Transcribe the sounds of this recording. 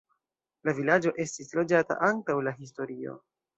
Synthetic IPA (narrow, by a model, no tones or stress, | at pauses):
lavilad͡ʒo̞ʔe̞stislo̞d͡ʒata̰ʔantawlaɦis̬to̞ɾio̞̰